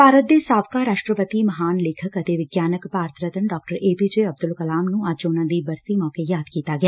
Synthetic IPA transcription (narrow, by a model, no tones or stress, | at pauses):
paːɾət̪̚d̪eːsaːʋkaɾaːʃʈɾəpət̪imɐɦaːnleːkʰəkɐt̪eʋɪɡjaːnəkpaːɾt̪ʰɾət̪əɳɖɔːk̚ʈəɾeːpid͡ʒeɐb̚d̪ʊlkɐlaːmnũaːd͡ʒd͡ʒoːnãd̪ibɐɾsimɔːkejaːd̪kiːt̪aɡɪjaː